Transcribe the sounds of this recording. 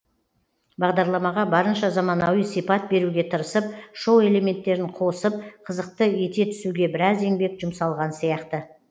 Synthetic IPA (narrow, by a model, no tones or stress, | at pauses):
bɑʁd̪ɑɾlˠɑmɑʁɑbɑɾənʃɑzɑmɑnɑwijsijpɑt̪̚be̞ɾuɡʲe̞t̪ʰəɾəsəp̚ʃo̞we̞le̞me̞nt̪ːe̞ɾɪɴqʰo̞səp̚qʰəzəq̚t̪əe̞t̪e̞t̪ʰʏ̥suɡʲe̞bɪɾɑze̞ŋbe̞kʒʊmsɑlˠʁɑnsijɑqt̪ə